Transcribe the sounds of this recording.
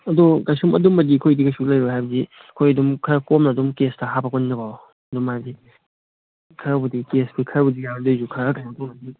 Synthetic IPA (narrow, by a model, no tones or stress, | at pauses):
ɐdoɡajsumɐ̰dumɐdikʰojdiɡɐsulɐjɾoɦajbɐdiɐkʰojɐdumkʰɐɾkomnɐdumkestɐɦabɐkʰoninɐbaw | ɐdumazi | kʰɐɾbudikesbikʰɐɾbudijadozukʰaɾakajɐdumɐdi